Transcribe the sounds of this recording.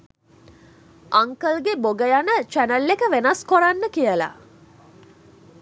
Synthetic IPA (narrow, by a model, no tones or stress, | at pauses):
aŋkəlɡeboɡəjanət͡ʃænəlːekəʋenaskoɾanːəkijəla̰